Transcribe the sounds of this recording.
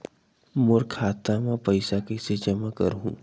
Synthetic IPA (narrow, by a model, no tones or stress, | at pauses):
mʊɾkʰaːt̪amãpɐɪsakesed͡ʒɐmakə̰ɾɦṵ̃ː